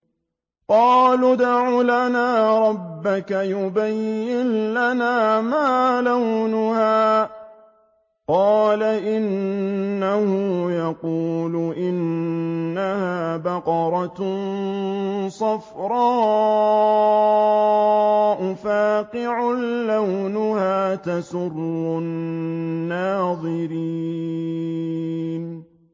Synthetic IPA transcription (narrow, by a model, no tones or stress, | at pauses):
qɑːlʊd̪aʕulanaːɾˤɑbːakajʊbajːɪnlanaːmaːlawnʊhaː | qɑːlaʔɪnː | ahʊjɑquːlʊʔɪnː | ahaːbɑqɑɾˤɑtn | sˤɑfɾˤɑː | ʔʊfaːqɪʕʊlːawnʊhaːt̪asʊrːʊnː | aːðˤɨɾiː | n